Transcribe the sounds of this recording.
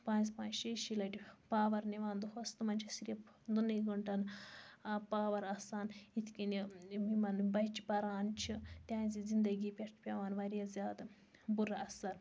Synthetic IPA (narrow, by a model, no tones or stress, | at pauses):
pãːnzpaːnt͡ʃʃɐʃilɐʈʲipaːʋɐɾniʋaːnd̪uɦɐst̪umɐnʲt͡ʃʰisiɾe | d̪unːɐɡɐɳʈɐn | paːʋɐɾɐsaːnit̪ʰkʲinimimɐnbɐjt͡ʃipɐɾaːnt͡ʃʰit̪ʲjãːnzizind̪ɐɡiːpʲeʈʰpʲɐʋaːnʋɐɾjɐzʲjaːd̪ | buɾɐɐsɐɾ